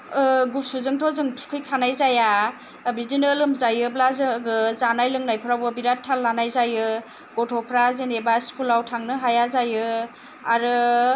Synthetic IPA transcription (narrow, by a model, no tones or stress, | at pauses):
ɯɡusuzɯŋtʰɔzɯŋtʰkʰɯjkʰanajzaja | bidinɯlɯmzajɯblazɯɡɯzanajlɯŋnajpʰɯɾawbɯbiɾatʰːalːanajzajɯ | ɡɔtʰɔpʰɾazenebaskulawtʰaŋnɯɦajazajɯ | aɾɯ